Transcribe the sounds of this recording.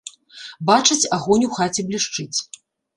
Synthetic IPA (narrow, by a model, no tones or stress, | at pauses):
bat͡ʂɐt͡sʲaɣɔnʲuxat͡sʲɛblʲiʂt͡ʂɨt͡sʲ